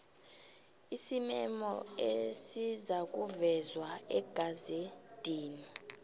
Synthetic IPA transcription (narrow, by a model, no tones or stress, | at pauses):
isimɛmɔesizak̬ʼuvɛzwaɛɡ̥ʱazed̥ʱiːni